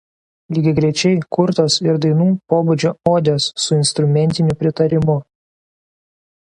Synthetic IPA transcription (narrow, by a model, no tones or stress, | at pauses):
lʲiːɡʲɪɡɾʲɛɪt͡ʃʲɛɪkʊɾt̪oːsɪɾd̪ɐɪnuːpoːbʊd͡ʒʲoːoːd̪ʲoːsːʊɪnst̪ɾʊmʲɛnʲt̪ʲɪnʲʊpʲɾʲɪt̪ɐɾʲɪmʊ